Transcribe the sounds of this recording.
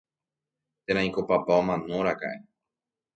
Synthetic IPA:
t̪ẽɾ̃ãĩkopapaomãnoɾaka̰ʔe

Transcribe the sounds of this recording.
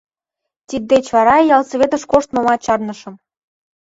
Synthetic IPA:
t̪ʲit̪̚d̪et͡ɕβɑɾɑjɑlsɤβet̪ə̆ʃkoʃt̪mŏmɑt͡ɕɑrnɤ̆ʃɤ̆m

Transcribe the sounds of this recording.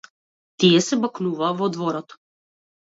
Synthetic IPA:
t̪iɛsɛbaknuvaːvɔd̪vɔɾɔt̪

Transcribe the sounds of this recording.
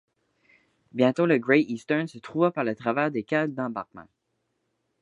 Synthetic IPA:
bjɛ̃t̪oləɡʁɛiːst̪ɜnsət̪χuvapaʁlət̪χavɛːʁd̪ekʲald̪ɑ̃ba̰ʁk̚mã̰

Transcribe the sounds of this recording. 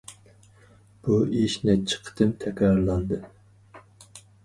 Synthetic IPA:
b̥uiʃnɛt͡ʃʰːi̥qʰə̥t̪ɨnt̪ʰɛkʲɾɑɾlˠɑnd̪ɨ

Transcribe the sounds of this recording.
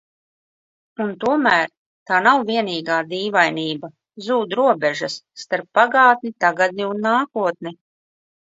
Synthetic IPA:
unt̪uɔmæːɾ | t̪aːnawviɛniːɡaːd̪iːvajniːba | zuːd̪ɾuɔbɛʒasːt̪aɾpːaɡɑːt̪nʲit̪aɡad̪ʲnʲiunːaːkuɔt̪̚ni

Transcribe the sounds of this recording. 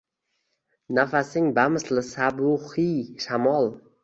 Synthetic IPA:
nafasɪŋbamɪslɪsabʊhiʃamɒlˠ

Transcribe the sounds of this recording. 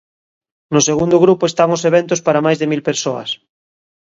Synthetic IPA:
nʊseɣund̪ʊɣɾupʊest̪aŋʊseβ̞ɛnt̪ʊspaɾamajzðemilpeɾsoɐ̰s

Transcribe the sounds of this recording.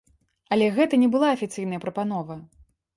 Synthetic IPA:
ɐlʲɛɣɛt̪ɐnʲɛbɨlˠaɐfʲit̪sɨjn̪ɐjɐpɾɐpan̪ɔvɐ

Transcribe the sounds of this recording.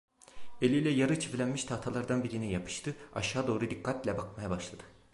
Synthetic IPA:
e̞lʲijlʲɛjaɾɯt͡ʃʰiflʲænmiʃt̪ʰaht̪ʰalˠaɾd̪anbiɾinijapʰɯ̥ʃt̪ʰɯa̰ʃaːd̪o̞ːɾud̪ikʰːat̪lʲɛbakmajabaʃlˠad̪̥ɯ

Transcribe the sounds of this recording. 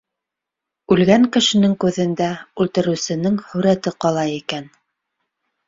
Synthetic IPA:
ʉlɡæŋkɘ̆ʃɘ̆nɘŋkʉðɘ̆nd̪æʉlˠt̪ɤ̆ɾɘ̆wsɘ̆nɘŋhɵ̆ɾæt̪ɘqɑlˠɑjikæn

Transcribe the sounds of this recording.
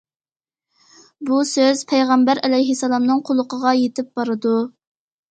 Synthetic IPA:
busøz̥pʰejʁɑmbæɾɛlɛjɦɪsːɑlˠɑmnɨŋqʰʊlˠʊqʰəʁɑjet̪ɪp̚b̥ɑɾɨd̪u

